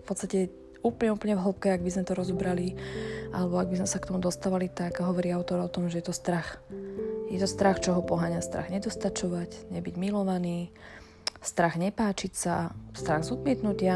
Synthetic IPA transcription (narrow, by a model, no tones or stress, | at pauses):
fpɔt̪t͡st̪acɛ | uːplɲɛuːpl̩ɲɛvɦl̩pkɛaɡbizmɛt̪ɔɾɔzɔbɾaliʔa̰lɛbɔaɡ̚bizmɛsakt̪ɔmud̪ɔst̪aːʋalit̪aɡɦɔʋɔɾiaʊt̪ɔɾɔt̪ɔmʒɛjɛt̪ɔst̪ɾax | jɛt̪ɔst̪ɾaxt͡ʃɔɦɔpɔɦaɲast̪ɾa̰ɣɲɛd̪ɔst̪at͡ʃɔʋacɲɛbiɟmilɔʋaniː | st̪ɾaɣɲɛpaːt͡ʃicsast̪ɾaɣzɔd̪mɪɛt̪nucɪa